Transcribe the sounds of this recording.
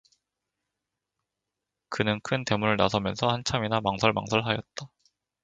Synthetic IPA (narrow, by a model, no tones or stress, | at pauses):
kɯnɯnkʰɯnte̞munɯɭnasʰʌmjʌnsʰʌhant͡ɕʰaminamaŋsʰʌɭma̰ŋsʰʌɭɦajʌt̚t͈a